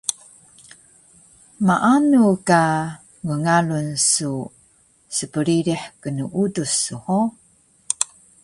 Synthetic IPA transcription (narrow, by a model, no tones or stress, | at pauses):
maʔanuka | ŋəŋalunsu | səpəɾiɾiħkənuʔudusːuho